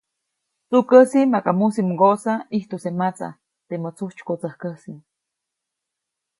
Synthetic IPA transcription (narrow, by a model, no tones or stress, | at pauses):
t͡sukəsimakamusimuɡoʔsaiht̪usemat͡sa̰ | t̪emət͡suht͡ʃkot͡səhkəsi